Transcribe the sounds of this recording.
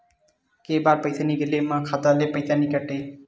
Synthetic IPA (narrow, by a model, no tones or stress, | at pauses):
kebaɾpʌjt̪aniɡelemakʰad̪alepʌjt̪anikaʈːe